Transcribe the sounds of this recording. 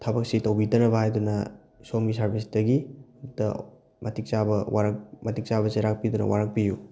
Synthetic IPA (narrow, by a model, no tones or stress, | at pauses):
tʰabɐk̚sitɐwbitɐnɐbɐhajdunɐ | somɡisɐɾbisdɐɡitɐ̰ | mɐtik̚t͡ʃabɐwaɾɐk̚mɐtik̚t͡ʃabɐseɾak̚pidunɐ̰waɾɐk̚piju